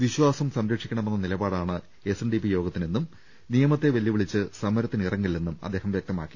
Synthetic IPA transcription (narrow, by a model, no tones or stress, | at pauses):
ʋiɕwaːsɐmsɐmɾɐkʂikʲːɐɳɐme̞nːɐnilɐbaːɽaːɳɨ | e̞senɖipijo̞ːɡɐt̪ːinenːum | nijɐmɐt̪ːe̞ʋɐljiʋiɭit͡ɕːɨsɐmːɐɾɐt̪ːinirɐŋɡilenːumɐ̰d̪ːeːhɐmʋjɐk̚t̪ɐmaːkːi̥